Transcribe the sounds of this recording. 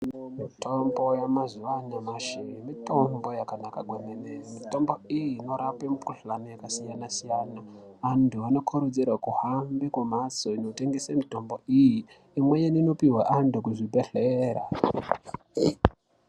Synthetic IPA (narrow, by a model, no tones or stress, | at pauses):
mitʰo̞mbo̞jamazuʋanamaʃimito̞mbo̞jakanakaɡʱwemenemito̞mbo̞ijino̞ɾapemukuɬanojakasijanasijaːnaːntʰuano̞kʰuɾod͡zirwakuhambekwamaso̞inoteŋɡesamito̞mbo̞iji | imwejenino̞piwaʔantʰukuʐibʱe̞ɬeːra̰